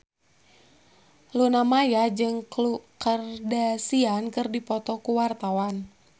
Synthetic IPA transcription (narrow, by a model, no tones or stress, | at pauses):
lunamajad͡ʒɨŋklukərdasiankɨrdipɔt̪ɔkuwart̪awan